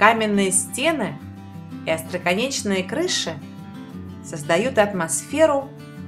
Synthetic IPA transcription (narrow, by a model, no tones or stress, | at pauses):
kamʲɪnːɨjəsʲtʲe̞nɨɪ | iɐst̪ɾəkɐnʲet͡ɕnɨjəkɾɨʂɨ | səzd̪ɐjut̪ɐt̪mɐsfʲe̞ɾʊ